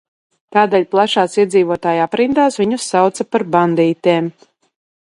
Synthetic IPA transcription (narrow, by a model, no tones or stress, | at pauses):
t̪aːd̪eːʎʲplˠaʃaːsiɛd̪ziːvuɔt̪aːjapɾind̪aːsviɲusːawt̪sapaɾband̪iːt̪eːm